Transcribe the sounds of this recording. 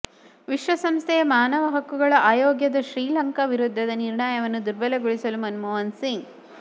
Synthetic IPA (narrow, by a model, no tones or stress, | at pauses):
ʋiʃʋɐsɐmst̪ʰɛjɐmaːnɐʋɐɦɐkːuɡɐɭɐʔaːjoːɡjɐd̪ɐʃɾiːlɐŋkɐʋiɾud̪ʱːɐd̪ɐniɾɳaːjɐʋɐnːud̪uɾbɐleɡɔɭisɐlumɐnmuːʋɐnsiŋɡ